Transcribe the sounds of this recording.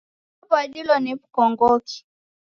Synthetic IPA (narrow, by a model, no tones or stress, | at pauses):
abaɗilɔnipukɔŋɡɔki̥